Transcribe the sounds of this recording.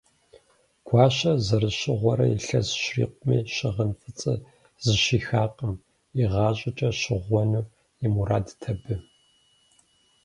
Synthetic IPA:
ɡ̥ʷʰɑːɕɐzɐrɨɕɪʁʷɔɾɐjḭɬɐzʃrḭːqʷʼʊmḭːʃɪʁənfɨt͡sʼɨ | zɨʃiːxaːqʼəm | iʁɑːɕʼɪt͡ʃʼɐʃɪʁʷɔnuː | jimuɾaːdtʰɐbɨ

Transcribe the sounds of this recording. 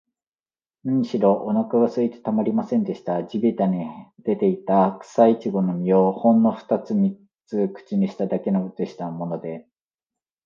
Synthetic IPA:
nɯ̃ɲɕiɾo̞ʔonakaɡasɨit̪e̥t̪amaɾʲimasẽ̞nd̪e̞ɕi̥t̪ad͡ʑibʲit̪aɲid̪̥e̞t̪e̞it̪akɯ̥sait͡ɕiɡo̞no̞mʲiohõ̞nːo̞ɸɯ̥t̪at͡sɨmʲi | t͡sɨkɯ̟̥t͡ɕiɲ̟iɕi̥t̪ad̪ake̞noɯtɨɕi̥t̪amo̞nod̪e̞

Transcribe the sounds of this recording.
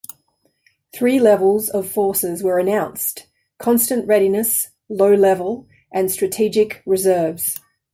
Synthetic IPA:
θɹiːlɛvəlˠzəv̥fɔˑsɪzwəɹənãʊ̃nst | kʰɒ̃nstə̃nʔɹɛɾinəs | ləʊlɛvəlˠ | ʔə̃nstɹ̥ətʰid͡ʒɪkɹɪzɜːvz̥

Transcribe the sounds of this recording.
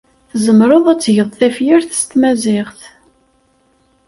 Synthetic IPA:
θzəmɾˤoðˤæt͡sːʝəðˤθæfjɪɾθə̥st̪mæzɪʁθ

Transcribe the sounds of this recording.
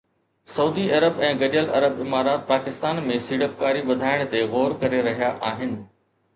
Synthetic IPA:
sɐuːd̪iɐɾəbɛ̃ːɡɐɗəlɐ̰ɾəbɪmaːɾaːt̪̚paːkɪst̪aːnmẽsiːɽəp̚kaːɾiʋɐd̪ʱaːɪɽ̃̆t̪eɣoːɾkɐɾeɾɐɦijaʔaːɦɪnɪ̆

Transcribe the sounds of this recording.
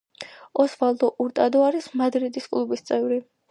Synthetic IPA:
ɔsvalˠd̪ɔʔuɾt̪ʼad̪ɔaɾismad̪ɾid̪iskʼlˠubist̪sʼɛvɾi

